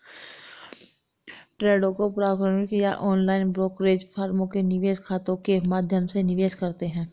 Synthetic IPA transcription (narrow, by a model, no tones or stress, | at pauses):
ʈɾeːɖõkopɾaːkɾaːmɪkjaʔɔːnlaːɪnbɾoːkɾeːd͡ʒpʰaːɾmõkenɪʋeːskʰaːt̪õkemaːd̪ʱjəmsenɪʋeːskɐɾt̪eɦɛ̃ː